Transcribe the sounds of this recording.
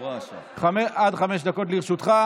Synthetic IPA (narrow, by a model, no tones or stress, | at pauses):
ʃχamead̪χameʃd̪ako̞t̪liʁʃut̪χa